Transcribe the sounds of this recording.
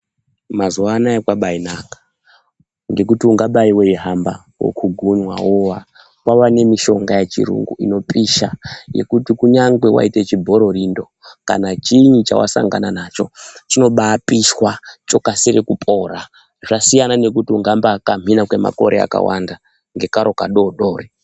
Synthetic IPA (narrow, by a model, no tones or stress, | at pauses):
mazuwaːnaekwaɓainakḁ | ŋɡe̞k̬utiuŋɡaɓaiwe̞iɦamba | wo̰kʰuɡʱuɲwa̰wowa | kwawane̞miʃo̞ŋɡajet͡ʃḭɾṵŋɡṵḭno̞piʃaje̞̰kutikuɲaŋɡwe̞wa̰ite̞t͡ʃibʱo̞ɾo̞rindo̞ | ka̰nat͡ʃiɲit͡ʃa̰wa̰sa̰ŋɡananat͡ʃo̞̰t͡ʃino̞ɓaːpiʃwat͡ʃo̞kasiɾekupʰʼo̞ɾa | ʐasijanane̞kutiuŋɡambakam̤ʱinakwe̞ma̰ko̞ɾʔea̰ka̰wa̰nda | ŋɡe̞kaɾo̞kaɗoɗo̞ːre